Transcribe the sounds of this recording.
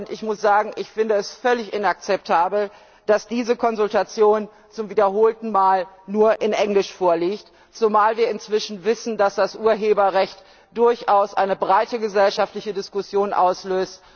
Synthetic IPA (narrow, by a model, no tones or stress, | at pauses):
ʊntɪçmʊsz̥aːɡŋ̩ʔɪçfɪndəɛsfœlɪçʔɪnak̚t͡sɛp̚tʰaːbl̩ | d̥asd̥iːzəkʰɔnzʊltat͡sjoːn | t͡sʊmviːdɐɦoːltn̩maːlnuːɐʔɪnʔɛŋlɪʃfoːɐliːçt | t͡sumaːlviːɐɪnt͡sv̥ɪʃn̩vɪsn̩dasd̥asʔuːɐɦeːbɐʁɛçt | d̥ʊɐçʔaʊsʔa̰ɪnəbʁaɪtəɡəzɛlʃaftlɪçədɪskʊsjoːnʔa̰ʊsløːst